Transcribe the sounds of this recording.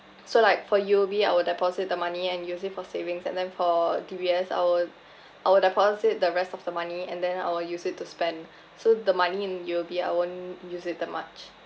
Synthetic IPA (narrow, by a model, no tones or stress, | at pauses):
solaɪkfɔjobiaɪwədɛpʰɔzɪt̚dəmaniɛ̃njusɪtfɔsevɪ̃ŋsɛ̰̃ndɛ̃nfɔdibiɛsa̰ɪwɪd | ʔawədɛpʰɔsɪt̚dəɹɛstɔfdəmaniɛ̃ndɛ̃na̰ɪwəljusɪtʰːuspɛ̃n | sodəmaniɪ̃njobia̰ɪwõnjusɪt̚dɛt̚ma̰t͡ʃ